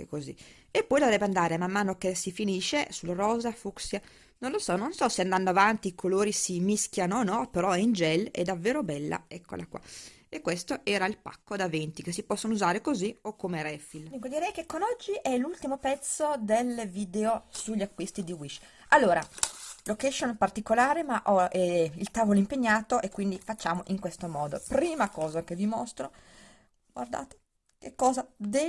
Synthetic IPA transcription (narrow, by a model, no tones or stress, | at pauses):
ekːozḭ | epːɔjd̪ovɾɛbːeand̪aːɾemamːaːnokesifiniːʃesulɾɔːzafuksja | nonlosɔnːonsɔseand̪anːoavant̪iːkʰoloːɾisimiskjanonɔpeɾɔɛind͡ʒɛlḛd̪ːavːeːɾobɛlːa̰ɛkʰːo̰lakwa̰ | ekːwest̪oʔɛːɾailpa̰kːod̪avent̪ikesːipɔsːonouzaːɾekoziokːomeɾɛfild̪uŋkod̪iɾɛjkekːonɔd͡ʒːiʔɛlult̪imopɛt̪sːod̪elviːd̪eosuʎːiakːwist̪id̪iwit͡ʃː | alːoːɾa̰lokɛʃonpart̪ikolaːɾemaʔɔɛilt̪aːvoloimpeɲːaːt̪oʔekːwind̪ifat͡ʃːaːmoʔiŋkwest̪omɔːd̪opɾiːmakɔːzakevimost̪ɾo | ɡwa̰rd̪a̰ːt̪e̥ | kekːɔːzad̪e